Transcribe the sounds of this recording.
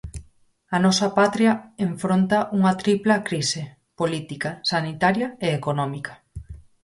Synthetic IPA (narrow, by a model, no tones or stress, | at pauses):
ɐnɔsɐpat̪ɾjɐeɱfɾont̪ɐʔuŋɐt̪ɾiplɐkɾise | polit̪ikasanit̪aɾjɐeekonɔmikɐ̥